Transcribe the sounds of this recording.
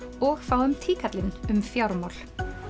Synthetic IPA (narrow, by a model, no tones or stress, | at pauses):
ɔxfaːwʏmt̪ʰiːkʰat̪lɪnʏmfjawɾmawl̥